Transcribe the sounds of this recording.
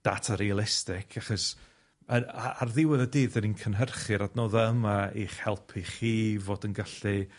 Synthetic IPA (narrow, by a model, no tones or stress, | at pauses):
d̥a̰tʰaɾialˠɪstɪkʰaχɔs | əaarðɪwɪðədiːðəninkʰənɦərχɨɾadnoːðaəmaiːχhɛlˠpʰiχiːvoːdənɡaɬi